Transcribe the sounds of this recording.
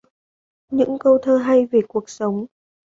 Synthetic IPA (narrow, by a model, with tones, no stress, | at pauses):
ɲɨ̰˧˥ŋkə˧wt̪ʰəː˧ɦa˧jve˨˩ku˨˩ək̚sə˨˦wŋ͡m